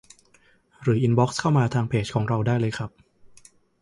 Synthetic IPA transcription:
ɾɯː˩˦ʔi˧nbɔː˦˥k̚skʰa˥˩wmaː˧t̪ʰaː˧ŋpʰeː˦˩t͡ɕ̚kʰɔː˩˦ŋɾa˧wdaː˥˩jlɤː˧jkʰɾa˦˥p̚

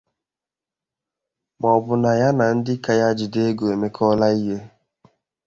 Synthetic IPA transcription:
mɔ˨bʊ˨na˨ja˦na˨n̩˦dɪ˦ka˨ja˦d͡ʒi˨de˦ɡo˨e˨me˦kʰɔ˦la˦i˦ɦe˦

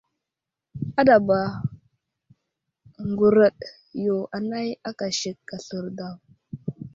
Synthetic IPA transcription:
a˦da˨ba˨ | ŋɡu˨ɾə˦˨ɗ | jo˨ʔa˨na˦ja˦ka˨ʃi˨kːa˨ɬə˨ɾda˨w

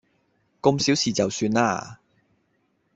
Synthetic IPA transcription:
ko˧msiː˨˥wsiː˨t͡sɐ˨wsyː˧na̰ː˧˥

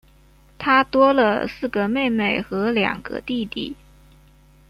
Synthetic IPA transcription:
t̪ʰa˥t̪wɔ˥lə̰˨sɹ̩˥˩ɡə˩me˥˧ɪme˥˩ɪxɤ˧˥ljɑ̰˨˩ŋɡ̥ə̰˧˦t̪i˥˧t̪ḭ˥˩

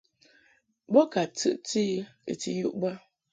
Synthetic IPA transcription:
bɔ˦ka˨tɨ̰˨ʔti˦ḛ˨ti˨ju˦ʔbə˦

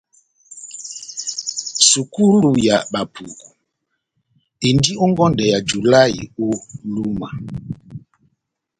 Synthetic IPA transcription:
su˨ku˦lu˨ja˨ɓa˨pʰu˨ku˨ | e˨ndi˦ɔ˦ŋɡɔ˦ndɛ˨ja˨d͡ʒu˨la˦ḭ˨o˦lu˦ma̰˨

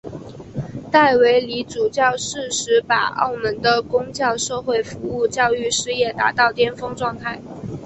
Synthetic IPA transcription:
t̪a˥˩ɪwe˧˥ɪli˧˥ʈ͡ʂu˨˩t͡ɕjɑ˥˧ʊʂɻ̩˥˩ʂɻ̩˧˥pa̰˨˩o̰˥˩ʊmə˧˥nd̪ə˧kʊ˥ŋt͡ɕjɑ˥˧ʊʂɤ˥˧xwe˥˩ɪfu˧˥u˥˧t͡ɕjɑ˥˧ʊy˥˧ʂɻ̩˥˧jɛ˥˩t̪a̰˧˥t̪ɑ˥˩ʊt̪jɛ˥nfɤ˥ŋʈ͡ʂwɑ˥˧ŋt̪ʰa˥˩ɪ

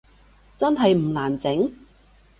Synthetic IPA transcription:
t͡sɐ˥nɦɐ˨jm̩˨˩laː˨˩nt͡sɪ˨˥ŋ

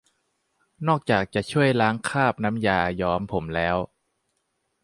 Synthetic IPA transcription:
nɔː˥˩k̚t͡ɕaː˨˩k̚t͡ɕa˨˩t͡ɕʰu˥˩əjlaː˦˥ŋkʰaː˥˩p̚na˦˥mjaː˨˩jɔː˦˥mpʰo˩˦mlɛː˦˥w

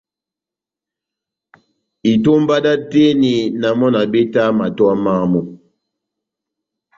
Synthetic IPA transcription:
i˨to˦m˦ba˦da˦te˦ni˨na˨mɔ˦na˨be˦ta˦ma˨twa˦ma˦mu˦

